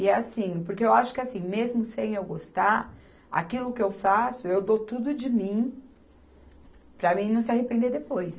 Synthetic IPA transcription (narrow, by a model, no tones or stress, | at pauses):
ɪɛasĩpoɾkeewaʃʊ̥kɪasĩj̃mezmʊsẽj̃ewɡost̪a | a̰kilʊkɪewfasʊewd̪ot̪ud̪ʊd͡ʒɪmĩ | pɾɐmĩnɐ̃w̃s̬ɪaɦepẽnd̪eɾd̪epojs